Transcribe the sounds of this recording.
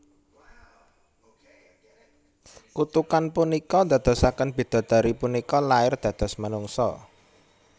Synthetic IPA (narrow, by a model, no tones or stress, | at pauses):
kut̪ukanpunikɔd̪a̤d̪̥ɔ̤sakənb̥i̤d̪̥ɔ̤d̪̥a̤ɾipunikɔlaɪrd̪̥ä̤d̪̥ɔ̤smənuŋsɔ̰